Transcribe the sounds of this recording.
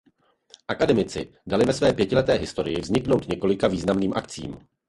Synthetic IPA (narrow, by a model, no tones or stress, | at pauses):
ʔakadɛmɪt͡sɪ̰ | dalɪvɛsvɛːpjɛcɪlɛt̪ɛːɦɪst̪o̞ɾɪ̰jɪvzɲɪkno̞wt̪ɲɛko̞lɪkaviːznamniːmʔakt͡sḭːm